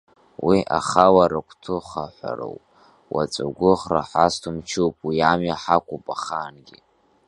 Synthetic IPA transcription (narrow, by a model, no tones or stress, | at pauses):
wiʔa̰χawaɾakʷʰtʰʊχaħʷa̰ro̰wpʼ | wat͡sʼaɡʷʊχraħastʰumt͡ʃʰuwpʼwiamjaħakʷʰʼupʼaχaːnɡʲi